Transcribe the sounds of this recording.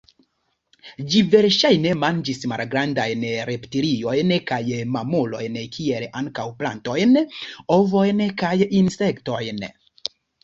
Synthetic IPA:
d͡ʒive̞ɾʃajne̞mand͡ʒisma̰lɡɾandajnɾeptiɾio̞jnkajmamolo̞jnkʰielaŋkawpla̰nto̞jnovo̞jnkajinse̞kto̞jn

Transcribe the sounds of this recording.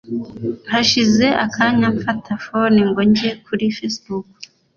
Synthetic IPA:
nhaʃize̞ʔakʰaɲaɱfatʰafoniŋɡoɲɟekʰuɾifesbuk

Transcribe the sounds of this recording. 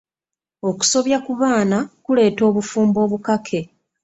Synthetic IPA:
o̞ku̥so̞βjakuβaːnakule̞ːto̞ːβufuːmbo̞ːβukakʰe̞

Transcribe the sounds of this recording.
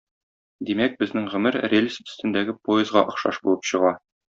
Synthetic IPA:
d̪imæk̚bɘ̆znɘŋʁɵ̆mɘɾrʲelʲisɵ̥̆st̪ɘ̆nd̪æɡɘpojɪzʁɑʔɒ̆χʃɑʃbulˠɤpɕɤ̆ʁɑ

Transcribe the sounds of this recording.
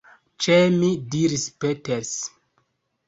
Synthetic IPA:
t͡ʃemidiɾispeteɾs

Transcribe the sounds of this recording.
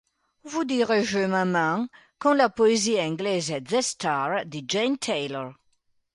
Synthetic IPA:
vud̪iʁeʒømamɑ̃ | kɑ̃lapɔeziɛ̃ɡlɛzɛdzɛst̪aʁd̪id͡ʒɛnt̪ʰɛjlɔʁ

